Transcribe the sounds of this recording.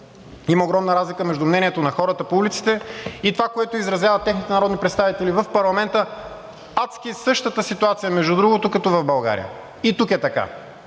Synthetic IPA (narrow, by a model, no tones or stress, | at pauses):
iməoɡɾɔmnəɾazlikəmɛʒd̪umnɛniɛt̪onɐxɔɾət̪əpoulʲit̪si̥t̪ɛit̪ovakoɛt̪oizɾɐzjavət̪ɛxnit̪ɛnɐɾɔd̪nipɾɛt̪st̪avit̪ɛlivəfpɐɾlˠɐmɛnt̪ə | at̪skisɤʃt̪ət̪əsit̪uat̪sijəmɛʒd̪ud̪ɾuɡot̪okɐt̪ɔvɐvbɐlˠɡa̰ɾḭə̰ | it̪ukɛt̪ɐka̰